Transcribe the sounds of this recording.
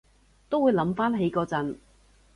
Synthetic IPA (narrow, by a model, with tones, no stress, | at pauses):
t̪o˥wuː˨˧jlɐ˨˧˥mfaː˥nɦe˨˥jkɔː˧t͡sɐ˨˥n